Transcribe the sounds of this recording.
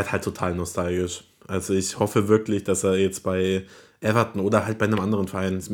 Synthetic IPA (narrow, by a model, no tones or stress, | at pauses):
ɐthaltʰːotʰaːlnɔstʰalɡɪʃ | ʔalzoɪçhɔfəvɪɐklɪçd̥aseːɐjɛt͡stb̥aɪʔɛvɐtn̩oːdɐɦalt̚b̥aɪnəmʔandəʁənfɛɐʔaɪns